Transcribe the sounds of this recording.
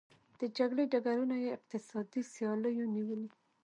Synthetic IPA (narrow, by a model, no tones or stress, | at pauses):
d̪̥əd͡ʒaɡɽeɖaɡaɾunajeɪq̚t̪ɪsɑd̪isjɑləjoniwəli